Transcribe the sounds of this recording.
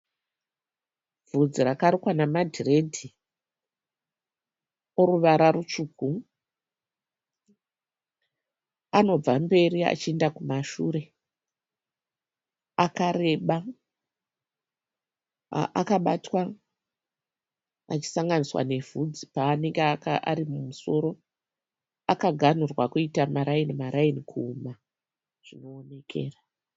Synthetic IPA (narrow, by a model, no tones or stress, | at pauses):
vud͡zirakaɾikwanamadʱire̞dʱi | oɾuʋaɾarut͡ʃuk̚u | ano̞b͡vambe̞ria̰t͡ʃie̞ndakumaʃuːɾe̞ | akaɾe̞ɓa | ʔakaɓatwa | at͡ʃi̥saŋɡaniswa̰ne̞vud͡zipaːneŋɡekaʔa̰ɾimumuso̞ɾo̞ | akaɡʱanurwakuitamaɾainimaɾainikʰuːma | ʐ̥ino̞ːne̞kʰe̞̰ːra